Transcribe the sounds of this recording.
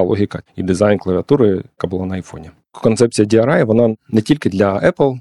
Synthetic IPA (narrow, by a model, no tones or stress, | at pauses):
lˠoɦʲɪkɐid̪ɪzajnklˠɐʋʲɪɐt̪uɾɪkabʊlˠanɐɐjfɔnʲɛ | kɔnt̪sɛp̚t͡sʲijɐdʲiɐɾajɛʋɔnanɛtʲilʲkɪd̪lʲɐɛplˠ